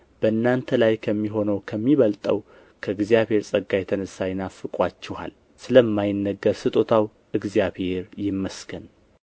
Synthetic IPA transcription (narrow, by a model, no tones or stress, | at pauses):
b̥əɨnːant̪ʰəlajkʰəmːiɦo̞nəwkʰəmːiβəlt̪ʼəw | kʰəɨɡzijaβhe̞ɾsʼəɡːajɛt̪ʰənəsːajɪnafɨkʼwat͡ʃːɛha̰l | sɨləmːajɪnːəɡːəɾsɨt̪ʼo̞t̪ʰaw | ʔɨɡzijaβhe̞ɾjɪmːəskʰən